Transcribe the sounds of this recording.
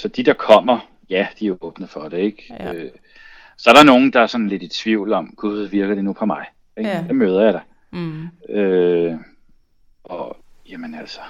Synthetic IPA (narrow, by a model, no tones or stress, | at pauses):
sɒ̽d̥id̥ɑ̈kʰɒ̽m̰ɐ | jæd̥iæɔ̽ːb̥nəfɒd̥ee̝ɡ̥ø | sɒ̽æɐɾɑno̝ːn̩d̥ɑ̈æɐsɒ̽n̩le̝d̥i̥t͡sʰʋiʊ̰lɒ̽mɡ̥uðˠʋiɐɡ̥ɐd̥e̝nupʰɒ̽mɑ̈ɪ | eɡ̥d̥emøːð̞ˠɐjɑ̈ɪd̥ɑ̈ | ø | ʔɒ̽jæmənæl̰sɒ̥